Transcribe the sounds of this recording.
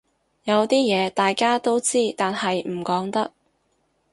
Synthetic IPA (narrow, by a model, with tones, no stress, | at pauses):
jɐ˨˧wt̪iː˥jɛː˨˧t̪aː˨jkaː˥t̪o˥wt͡siː˥t̪aː˨nhɐ˨jm̩˨˩kɔː˨˥ŋt̪ɐ˥k̚